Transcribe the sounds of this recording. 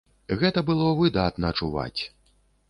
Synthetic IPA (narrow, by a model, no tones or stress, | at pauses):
ɣɛt̪ɐbɨlˠɔvɨd̪at̪nɐɐt͡ʂuva̰t͡sʲ